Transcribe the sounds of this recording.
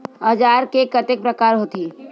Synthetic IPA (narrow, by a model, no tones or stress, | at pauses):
əd͡ʒaːɾkekət̪ek̚pɾəkaːɾɦoːt̪i